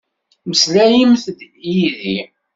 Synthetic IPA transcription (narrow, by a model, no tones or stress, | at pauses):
məslæjimθd̪ | jiði